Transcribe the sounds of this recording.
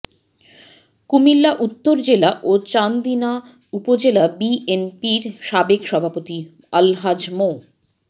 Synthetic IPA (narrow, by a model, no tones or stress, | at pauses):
kumilːaʔut̪ːoɾd͡ʑelaʔot͡ɕand̪ina | upod͡ʑelabienpiɾʃabekʃɔbʱapot̪i | əlɦad͡ʑmo